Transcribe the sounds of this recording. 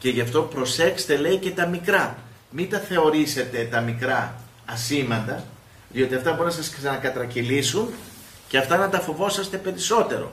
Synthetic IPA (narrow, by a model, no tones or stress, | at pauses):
ce̞ʝɐft̪o̞pɾo̞se̞kst̪e̞le̞ice̞t̪ɐmikɾɐ | mit̪ɐθe̞o̞ɾise̞t̪e̞t̪ɐmikɾɐ | ɐsimɐnd̪ɐ | ðio̞t̪iɐft̪ɐbuɾunɐsɐsksɐnɐkɐt̪ɾɐcilisun | ceɐft̪ɐnɐt̪ɐfo̞vo̞sɐst̪e̞pe̞ɾiso̞t̪e̞ɾo̞̰